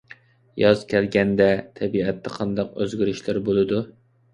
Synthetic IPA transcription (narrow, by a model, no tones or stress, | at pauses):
jɑzkʲʰɛlɡʲɛnd̪ɛt̪ʰɛbiɛt̪ʰːɛqʰɑnd̪ɑq̚øzɡʲiɾɪʃlɪɾbolˠɨd̪u